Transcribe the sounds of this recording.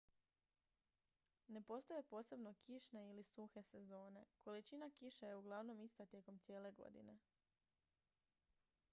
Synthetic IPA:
ne̞po̞st̪o̞je̞po̞ːse̞bno̞kiʃne̞ilisuxe̞se̞zo̞ːne̞kʰo̞lit͡ʃinakiʃejeuɡlˠaʋno̞mist̪at̪je̞ko̞mt̪sjeːle̞ɡo̰d̪ḭne̞

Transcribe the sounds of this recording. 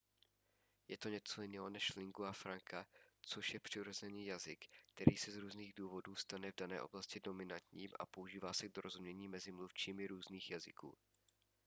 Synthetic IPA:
jɛt̪o̞ɲɛt͡so̞jɪnɛːɦonɛʃlɪŋɡuafɾaŋkʰat͡soʃjɛpr̥ɪɾozɛniːjazɪkkt̪ɛɾiːsɛzɾuːzniːɣduːvo̞duːst̪anɛvdanɛːʔo̞̰blascɪdo̞mɪnant̪ɲiːmʔa̰po̞uʒiːvaːsɛɡdoɾozumɲɛɲiːmɛzɪmluft͡ʃiːmɪɾuːzniːxjazɪ̰kṵː

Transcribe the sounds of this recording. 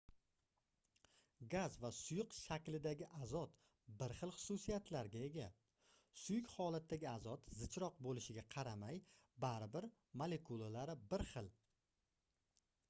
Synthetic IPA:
ɡazvasʊjʊqʃakʲlɪd̪aɡʲɪʔazɒt̪ | bɪɾχɨlˠχʊ̥susijat̪ʰlaɾɡʲae̞ɡʲa | sʊjɪkʲhɒlat̪ʰːaɡʲɪazɒt̪zɪt͡ʃʰɾɒq̚bolɪʃɪɡʲaqʰɑɾamajbaɾɪbɪɾ | mole̞kʰulˠalaɾɪbɪɾχɨlˠ

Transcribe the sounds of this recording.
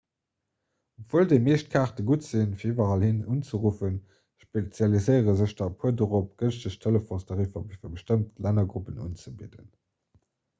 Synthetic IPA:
opv̥oːldeɪmeːʃt̚kʰaːχtəɡuːtz̥infiːɐivɐʁɑlhinunt͡səʁufən | ʃpet͡sjɑlizəɪəʁəzəʃd̥ɑpʰuɐdoʁop̚ɡ̥ənzəʃtʰeləfõsdɑʁivɐbfiɐbəʃtəmtlænɐɡʁupənṵːnt͡səbidə̰n

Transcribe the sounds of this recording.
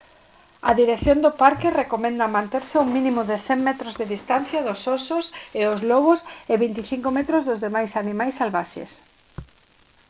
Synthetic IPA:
ɐðiɾekθjond̪opaɾkɪrekomɛ̃nd̪ɐmãnt̪eɾsɪuŋmĩnĩmʊðɪθɛŋmɛt̪ɾozðɪðist̪an̟θjaðʊsɔsʊseʊzlɔɣʊseβint̪iθiŋkomɛt̪ɾʊzðʊzðemajsanĩmajsːalβaʃḛs

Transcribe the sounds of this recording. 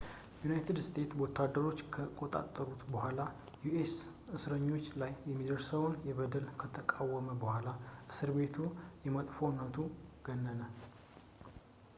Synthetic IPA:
junajt̪ʰɨd̪st̪ʰe̞t̪wot̪ʰːad̪ːəɾo̞t͡ʃːkʰəkʼot̪ʼa̰t̪ʼːəɾut̪bəhʷala | juʔes | ʔɨsɾəɲːo̞t͡ʃːlajːɛmːid̪əɾsəwnjɛβəd̪əlkʰət̪ʰəkʼawːəməbəhʷalaʔɨsɨɾbe̞t̪ʰujɛmət̪ʼfownət̪ʰuɡ̥ənːənə

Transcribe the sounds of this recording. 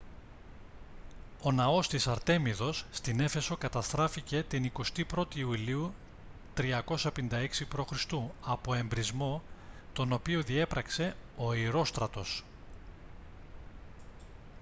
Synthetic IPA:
o̞nɐo̞st̪isɐɾt̪e̞miðo̞sːt̪ine̞fe̞so̞kɐt̪ɐst̪ɾɐfice̞t̪iniko̞st̪ipɾo̞t̪iːuliu | t̪ɾiɐko̞sɐpenind̪ɐe̞ksipɾo̞xɾist̪uɐpo̞e̞mbɾizmo̞t̪o̞no̞pioðie̞pɾɐkse̞o̞iɾo̞st̪ɾɐt̪o̞s

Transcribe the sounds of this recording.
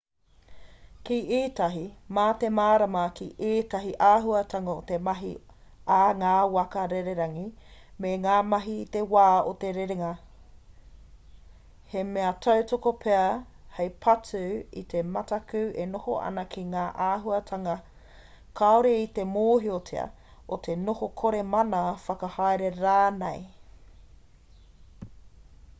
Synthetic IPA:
kiʔiːtɐɦimaːt̪emaːɾɐmɐkiʔiːtɐɦiʔaːɦuɐtʰɐŋɐot̪emɐɦḭ | aŋaːwɐkɐɾeɾeɾɐŋi | meŋaːmɐɦiːt̪ewaːot̪eɾeɾeŋɐ | hemeɐtʰɐwtokopʰeɐ | hejpʰɐtʉḭt̪emɐtɐkʉʔenoho̰ɐ̰nɐkʰiŋaːʔaːɦuɐtʰɐŋɐ | kʰaoɾeit̪emoːɦiotʰeɐ̰ | ot̪ʰenohokʰoɾemɐnɐfɐkɐhaeɾeɾaːnej

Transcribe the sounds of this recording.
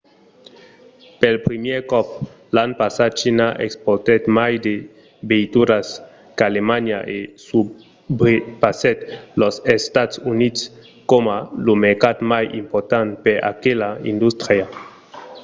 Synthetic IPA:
pelpɾimjɛɾkɔp̚ | lanpasat̪̚t͡ʃinaʔekspoɾt̪et̪majd̪e | beit̪uɾas | kalemanjaʔesu | bɾepasɛt̪lɔsest̪at̪sunit̪s | komalumeɾkat̪majḭmpoɾt̪ant̪peɾa̰kelaḭnd̪ust̪ɾia

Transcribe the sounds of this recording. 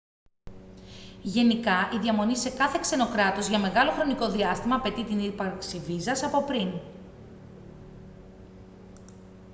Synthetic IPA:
ʝe̞nikɐʔiðiɐmo̞nise̞kɐθe̞kse̞no̞kɾɐt̪o̞zʝɐme̞ɣɐlo̞xɾo̞niko̞ðiɐst̪imɐːpe̞t̪it̪inipɐɾksivizɐsɐpo̞pɾin

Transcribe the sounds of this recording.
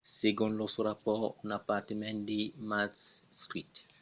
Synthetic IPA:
seɡɔ̃nlɔsuɾapɔnapatemɛ̃ndimatssɾit

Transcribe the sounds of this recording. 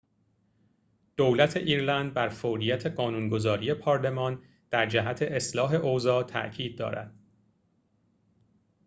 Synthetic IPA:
d̪̥owlæt̪ʰe̞ʔiːɾlænd̪̚bæɾfoɾijæt̪ʰe̞ɢɒːnunɡo̞zɒːɾije̞pʰɒːɾle̞mɒːn | d̪̥æɾd͡ʒæɦæt̪ʰe̞ʔeslɒːɦe̞ʔozɒːt̪ʰæ̰ʔcʰiːd̪̚ːɒ̰ːɾæ̰d̪̥

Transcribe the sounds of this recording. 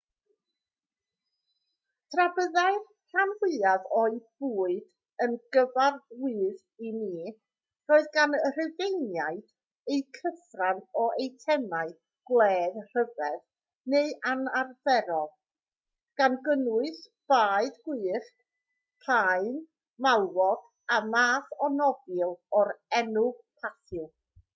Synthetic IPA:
tʰrabəðaɨr | hanwɪaðɔɨb̥uːɨd | ənɡəvarwɨːð | iniː | roːɨðɡanər̥ɪvejnjaɨd̥ | ejkʰəθranɔʔejtʰɛmaɨ | ɡ̥lˠɛːðr̥əvɛð | neɨʔanarvɛɾɔð | ɡ̥anɡənʊɨθ | b̥aːɨdɡ̥wɨːχ | pʰaɨn | malwɔɡ̥ | amaːθɔnɔbɪlˠɔɾɛnʊɡ̥pʰaθʊ

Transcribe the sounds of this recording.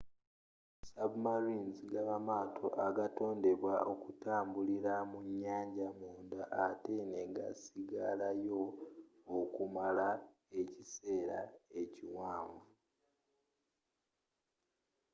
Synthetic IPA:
saβumaɾiːnziɡaβamaːtʰo̞̰ʔaɡato̞ːnde̞βwao̞kutaːmbuliɾamuɲːaːɲɟamuːndaʔːte̞neɡa̰siɡalajo̞ː | kumala | e̞cise̞ːɾae̞ciwaːɱvu

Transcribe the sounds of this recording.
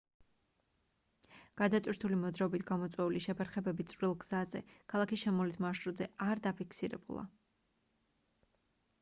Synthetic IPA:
ɡ̥ad̪at̪ʼwiɾt̪ʰulimɔd̪zɾaɔbit̪ʰɡamɔt̪sʼwɛuliʃɛpʰɛɾχɛbɛbit̪sʼvɾilˠɡz̥azɛ̰kʰalˠakisʃɛmɔlit̪ʰmaʃɾud̪zɛaɾd̪apʰikʰsiɾɛ̰bṵlˠa̰

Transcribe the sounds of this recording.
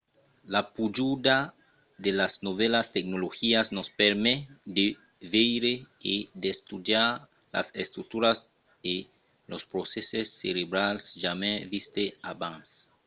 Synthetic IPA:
lapud͡ʒuda | ðelaznoβelast̪ek̚noloxiasnospeɾmed̪e | vejɾeid̪est̪udjaɾ | la̰sest̪ɾuk̚t̪uɾas | e | lospɾosesesːeɾeβɾalsʒamẽvist̪eaβãns

